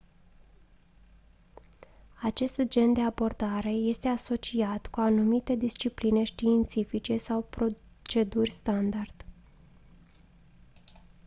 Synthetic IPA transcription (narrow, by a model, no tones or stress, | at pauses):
at͡ʃe̞st̪d͡ʒe̞nd̪e̞abo̞rd̪aɾe̞je̞st̪e̞aso̞t͡ʃiat̪kuanumit̪e̞d̪ist͡ʃipline̞ʃt̪iːnt̪sifit͡ʃe̞sawpɾo | t͡ʃe̞d̪urʲst̪and̪ard̪̥